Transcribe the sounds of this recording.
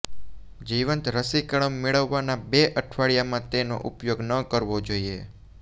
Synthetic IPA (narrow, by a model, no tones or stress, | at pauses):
d͡ʒiʋənt̪ɾəsikəɭəmːeɭəʋːanabeʔəʈʰʋaɭjamãt̪eno̰ʔupjoɡnəkəɾʋod͡ʒoie